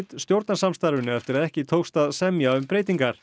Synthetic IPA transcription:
t̪st̪jowɾt̪nasamst̪aɾvʏnːʏɛft̪ɪɾaðɛhcɪt̪ʰowxst̪aðsɛmjaʏmpɾeːjt̪iŋkaɾ̥

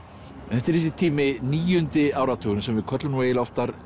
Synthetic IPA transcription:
ɛnθɛht̪ɪɾis̬it̪ʰiːmɪniːjʏnt̪ɪaːwɾat̪ʰuːɣʏnsɛmvɪðkʰœt̪lʏnveːjɪlɔft̪aɾ

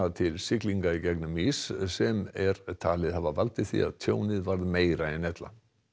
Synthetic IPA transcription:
at̪ʰɪlsɪkliŋkaicɛknʏmissɛmɛɾt̪ʰaːlɪðhavavalt̪ɪθḭa̰ðt̪ʰjoːwnɪðvaɾðmeːjɾaɛnɛt̪la̰

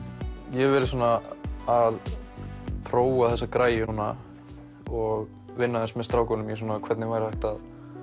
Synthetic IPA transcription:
jɛɣvɪːɾɪsuːnaað | pʰɾoːwaθɛsːakɾaːjɪnuːna | ɔɣ | vɪnːaθɛnsmɛst̪ɾaːwkɔnʏmjɛsuːnakʰvɛt̪nɪvajɾhajht̪að

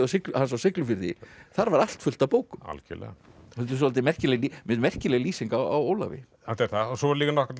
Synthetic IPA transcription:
awsɪklhans̬awsɪklʏfɪɾðɪ̰θaɾvaɾal̥t̪fʏl̥t̪awpoːwkʏma̰lcɛ̰lɛ̰ɣahɛlt̪ːs̬ɔlt̪ɪmɛr̥cɪlɛlimɪðmɛr̥cɪlɛɣliːsiŋkaa̰woːwla̰vɪ̰ | halt̪ɛɾθaɔsɔvaɾliːknɔkat̪

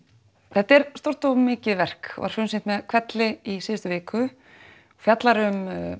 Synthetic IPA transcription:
θɛht̪ːɛɾst̪owr̥t̪ɔɣmɪːcɪðvɛr̥kva̰ɾ̥fʏnsɪnt̪mɛðkʰv̥ɛt̪lɪisiːðst̪ʏvɪːkʰʏ | ɔfjat̪laɾʏm

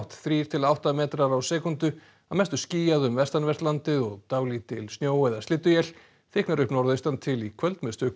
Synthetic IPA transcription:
wht̪θɾiːɾ̥t̪ʰɪlawht̪amɛːt̪ɾaɾawsɛːkʏnt̪ʏ | amɛst̪ʏ̥sciːjaðʏmvɛst̪anvɛr̥t̪lant̪ɪðɔɣt̪aːwlit̪ʰɪlsnjoːwɛðast̪ɪːt̪ːʏjɛl̥ | θɪknaɾʏhpnɔɾðʏʏjst̪ant̪ʰɪlikʰvœlt̪mɛst̪ʏk

